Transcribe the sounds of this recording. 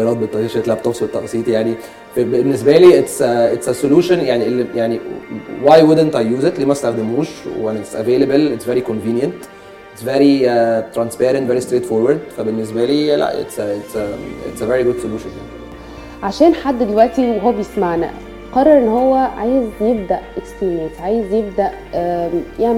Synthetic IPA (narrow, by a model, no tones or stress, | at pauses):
ɑɾˤɑːt̪̚bet̪ːˤɑiʃet̪læb̚t̪opsbet̪ːɑʔsˤiːt̪jaʕni | fbenːesbæliːʔet̪sʔet̪sesoluːʃonjaʕniʔlːijaʕniwajwʊd̪ent̪ajːuːzet̪liːmæst̪æxd̪emuːʃwænet̪sʔæ̰veːlæbæletsveɾikonviːnjænt̪ | ʔet̪sveɾit̪ɾænspæːɾent̪veɾist̪ɾeːt̪foɾwæɾd̪fæbenːes̬bæliːlæ̰ʔḛt̪set̪sḛtseveɾiɡod̪soluːʃonjaʕni | ʕaʃæːnħad̪ːd̪elwæʔt̪iweɦowːæbejesmaʕnæ̰ | qɑrˤːɑɾˤʔenːhowːæʕaːjezjeb̚d̪æʔʔekspimesʕaːjezjeb̚d̪æʔ | jaʕni